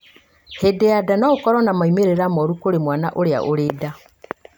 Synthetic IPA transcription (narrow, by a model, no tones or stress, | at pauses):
hedeadanaokɔɾɔnamaimeɾeɾamɔɾukoɾemwanaʔoɾea̰ʔoɾeːda